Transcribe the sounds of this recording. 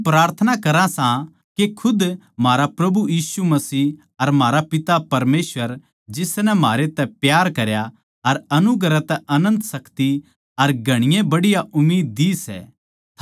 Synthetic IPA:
pɾaːɾt̪ʰənakɐɾãsã | kekʰʊd̪ | maːɾapɾɐbujiːsumɐsiː | ɐɾmɦaːɾapɪt̪apɐɾmeːsʋəɾ | d͡ʒɪsnɛmaːɾet̪ɛpjaːɾkɐɾja | ɐɾɐnʊɡɾɛt̪ɛʔɐnə̃nt̪sɐkt̪i | ɐɾɡʱɐɽ̃ɪjẽbɐɽɪjaʔʊmːiːd̪̚ːiːsɛ̰ː

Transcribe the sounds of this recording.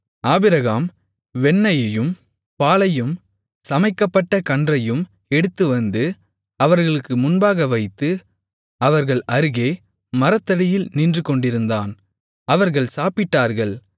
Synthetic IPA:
aːbɪɾɐɣaːm | ʋɛnːɐjɐjɯm | paːɭɐjɯm | sɐmɐɪkːɐpːɐʈːɐkɐɳdrɐjɯm | ɛɽɯt̪ːɯʋɐnd̪ɯ | ɐʋɐɾɣɐɭɯkːɯmʊnbaːɣɐʋɐɪt̪ːɯ | ɐʋɐɾɣɐɭʔɐɾɯɣeː | mɐɾɐt̪ːɐɽɪjɪlniːndrɯkɔɳɖɪɾɯnd̪aːn | ɐʋɐɾɣɐɭsaːpɪʈːaːɾɣɐɭ

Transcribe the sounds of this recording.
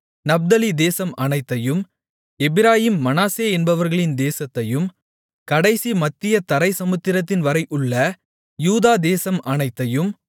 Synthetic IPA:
nɐb̚d̪ɐlid̪eːsɐmɐnɐɪt̪ːɐjɯm | ɛbɪɾaːjiːmːɐnaːseːɛnbɐʋɐɾɣɐɭɪnd̪eːsɐt̪ːɐjɯm | kɐɽɐɪsimɐt̪ːɪjɐt̪ɐɾɐɪsɐmʊt̪ːɪɾɐt̪ːɪnʋɐɾɐɪʔʊɭːɐ | juːðaːd̪eːsɐmɐnɐɪt̪ːɐjɯm

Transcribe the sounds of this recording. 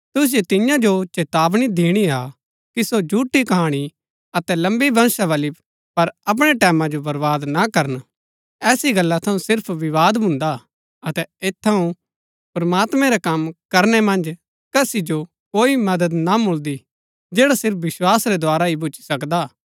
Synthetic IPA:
t̪ʊs̬ɪjet̪ɪjãd͡ʒot͡ʃeːt̪aːʋɽ̃id̪ʱiːɽ̃ia | kisod͡ʒʱuːʈikɐɦaːɽ̃i | ɐt̪ɛlɐ̃mbibɐñsaʋɐli | pɐɾɐp̬ɽ̃eʈɛːmãd͡ʒobɐɾʋaːd̪nakɐɾən | ɛːsiɡɐlːat̪ʰɐ̃ũsɪɾpʰʋɪʋaːd̪bʱʊ̃nd̪a | ɐt̪ɛeːt̪ʰːɐũ | pɾɐmaːt̪mɛ̃ɾɛkɐmkɐɾnɛmɐ̃nd͡ʒ | kɐsid͡ʒo | koːimɐd̪əd̪namʊld̪i | d͡ʒeːɽasɪɾp̚ʰʋɪswaːsɾɛd̪oaːɾaibʊt͡ʃi̥sɐkd̪aː

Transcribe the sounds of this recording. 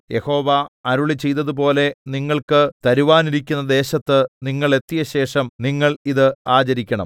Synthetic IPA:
je̞ho̞ːʋɐɐɾuɭit͡ɕe̞jt̪ːɐðup̬o̞ːle̞niŋːɐɭkɨt̪ɐɾuʋaːniɾikʲːunːɐd̪e̞ːɕɐt̪ːɨniŋːɐɭe̞t̪ːijɐɕe̞ːʂɐmniŋːɐɭiðɨaːt͡ɕɐɾikʲːɐɳɐ̰m

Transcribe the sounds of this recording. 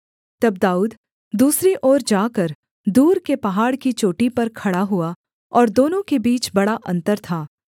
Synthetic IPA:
t̪ɐb̚d̪aːuːd̪ | d̪uːsɾiʔɔːɾd͡ʒaːkɐɾ | d̪uːɾkepɐɦaːɽkit͡ʃoːʈipɐɾkʰɐɽaɦʊa | ɔːɾd̪oːnõkebiːt͡ʃbɐɽaʔɐ̃nt̪əɾt̪ʰaː

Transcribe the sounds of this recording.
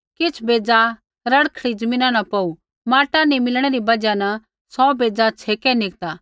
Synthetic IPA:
kɪt͡sʰbeːd͡za | ɾɐɽkʰɐɽid͡zɐmĩːnãnɐpɐu | maːʈanimɪlɽ̃eɾibɐd͡ʒanɐ | sɔbeːd͡zat͡sʰeːkɛnɪk̚t̪aː

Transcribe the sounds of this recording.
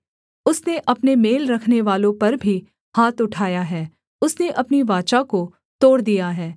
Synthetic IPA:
ʊsneʔɐpnemeːlɾɐkʰneʋaːlõpɐɾbʱi | ɦhaːt̪ʊʈʰaːjaɦɛː | ʊsneʔɐpniʋaːt͡ʃako | t̪oːɽd̪ijaɦɛː

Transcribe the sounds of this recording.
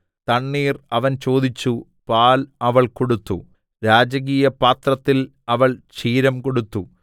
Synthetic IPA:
t̪ɐɳːiːrɐʋɐnt͡ɕo̞ːd̪it͡ɕːu | paːlɐʋɐɭko̞ɽut̪ːu | ɾaːd͡ʑɐɣ̬iːjɐpaːt̪rɐt̪ːil | ɐʋɐɭt͡ɕiːɾɐmko̞ɽut̪ːu

